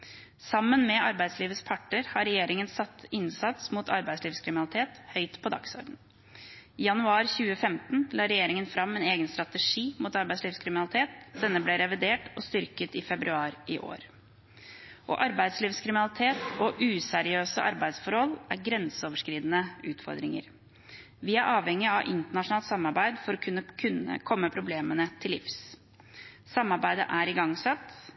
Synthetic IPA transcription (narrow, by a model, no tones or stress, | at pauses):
sɑmːənmɛʔɑɾbæɪd̪sliːʋəspʰɑʈːəɾhɑɾɛjeːɾɪŋənsɑt̪ːɪnsɑt̪smuːt̪ʰɑ̰ɾbæɪd̪sliːʋskʰɾɪmɪnɑlɪt̪ʰeːt̪hœʏt̪pʰɔd̪ɑ̰ksɔ̰ɾɖɳn̩ | ijɑnʉɑːɾçʉːəfɛmt̪n̩lɑːɾɛjeːɾɪŋənfɾɑmːɛneːɡənst̪ɾɑt̪əʂiːmuːt̪ɑɾbæɪsliːʋskʰɾɪmɪnɑlɪt̪ʰeːt̪̚d̪ɛnːəblɛɾɛʋɪd̪eːʈɔst̪ʏɾkət̪ɪfɛbɾʉɑːɾʔɪʔo̰ːɾ | ʔɔ̰ʔɑɾbæɪd̪sliːʋskʰɾɪmɪnɑlɪt̪ʰeːt̪ɔʔʉːsɛɾɪøːsə̰ʔɑɾbæɪd̪sfɔɾhɔlæɾɡɾɛnsəoːʋəʂkɾiːd̪ənəʉːt̪fɔ̰ɾd̪ɾɪŋə̰ɾ | ʋɪæɾʔɑːʋhɛŋːɪɑʋʔɪ̰nt̪əɳɑʂʊnɑːlt̪sɑmːɑɾbæɪd̪fɔɾɔkʰʉnːəkʰʉnə̰kʰɔmːəpʰɾʊbleːmənət̪ʰɪlːɪ̰fs | sɑmːɑɾbæɪd̪ə̰ʔæɾɪɡɑŋsɑt̪ː